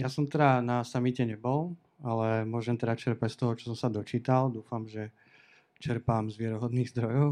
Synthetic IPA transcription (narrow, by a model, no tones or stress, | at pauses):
jasɔmt̪ɛd̪anasamicɛɲɛbɔl | alɛmʊɔʒɛmt̪ɛd̪at͡ʃɛɾpacst̪ɔɦɔt͡ʃɔ̥sɔmsad̪ɔt͡ʃiːt̪ald̪uːfamʒɛ | t͡ʃɛɾpaːmzʋɪɛɾɔɦɔd̪niːɣzd̪ɾɔjɔʊ